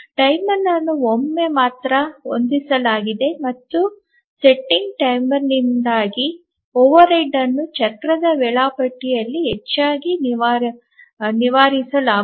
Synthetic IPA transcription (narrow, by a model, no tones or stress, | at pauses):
ʈɐjmɐɾnːɐnːuomːe̞maːt̪ɾɐo̰nd̪isɐlaːɡid̪e̞mɐt̪ːu | seʈːiŋɡʈɐjmɐɾnind̪aːɡi | oːʋɐɾɐjɖɐnːut͡ʃɐkɾɐd̪ɐʋɛɭaːpɐʈːijɐlːiɦet͡ʃːaːɡiniʋaːɾ | niʋaːɾisɐlaː